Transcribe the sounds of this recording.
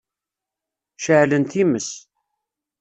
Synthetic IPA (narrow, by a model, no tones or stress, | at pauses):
ʃəʕlənt̪iməs